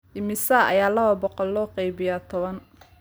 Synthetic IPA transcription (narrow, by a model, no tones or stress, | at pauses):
ʔɪmɪsaːʔɐ̰jaːlɐβɐbɔqɔlːɔːqɛjbɪjaːt̪ʰɔβɐn